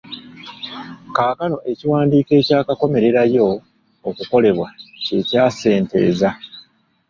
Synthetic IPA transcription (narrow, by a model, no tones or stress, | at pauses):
kaːkano̞ʔe̞ciwaːndiːke̞ːcaːkako̞me̞ɾe̞ɾajo̞ː | kuko̞le̞βwace̞caːse̞ːnte̞̰ːza